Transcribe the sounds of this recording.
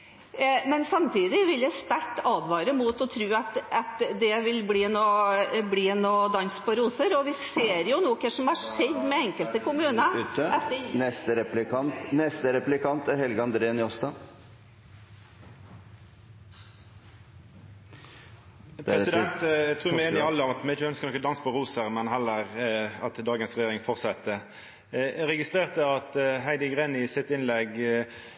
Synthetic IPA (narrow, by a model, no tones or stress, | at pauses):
mɛnsɑmt̪ʰiːd̪ɪʋɪljæɪst̪æɾʈːɑːd̪ʋɑːɾəmuːt̪ɔt̪ʰɾʉːɑt̪ɑt̪d̪ɛʋɪlbliːnobliːnoːd̪ɑnspʰɔɾuːsəɾɔʋɪseːɾjʊnuːkəʂɔmhɑʂɛd̪ːmɛɛŋkəlt̪əkʊmʉːnəɛnɛst̪əɾɛplɪkʰɑnt̪nɛst̪əɾɛplɪkʰɑnt̪æɾhɛlɡəɑnd̪ɾeːənjɔst̪ɑ | pʰɾɛssɪd̪ɛnt̪t̪ʰʁuːmɛeːnɪɑlːəɔmɑt̪mɛɪçəœnskəʁnɔkːɔd̪ɑnsə̥pʰɔɾʁuːsəʁmɛnɦɛlːəʁɑt̪d̪ɑːɡənsʁɛjeːɾɪŋfɔʁt̪sɑt̪ːə | ɾɛɡɪst̪ʁeːʁt̪əɑt̪ɦæɪd̪əɡʁenɪsɪt̪ːɪnlɛɡ